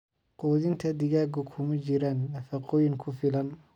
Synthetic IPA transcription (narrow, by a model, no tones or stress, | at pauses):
qɔːðɪnt̪ʰɐd̪ɪɣaːɡɔkʰʊmɐt͡ʃɪɾaːnːɐfɐqɔːjɪŋkʰʊfɪlɐn